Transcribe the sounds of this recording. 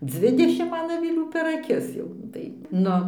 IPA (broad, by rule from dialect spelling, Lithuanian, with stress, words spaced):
ˈd͡zʲʋʲɪdʲɛʃʲɪm ˈmɐn ɐʋʲɪˈlʲuː pʲɛr ɐˈkʲɪs ˈjɛʊ tɐɪ ˈnʊ